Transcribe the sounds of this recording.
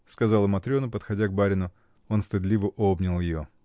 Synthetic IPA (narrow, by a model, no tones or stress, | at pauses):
skɐzɑlˠəmɐt̪ɾʲonʊpət̪xɐdʲaɡ̚baɾʲɪnʊ | o̞nst̪ɨd̪lʲivəʔobnʲɪlˠjɪjo